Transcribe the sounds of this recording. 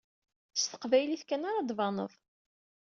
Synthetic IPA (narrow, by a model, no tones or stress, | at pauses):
əst̪ə̥qvæjliθkænaɾˤɑd̪vɑnə̰ðˤ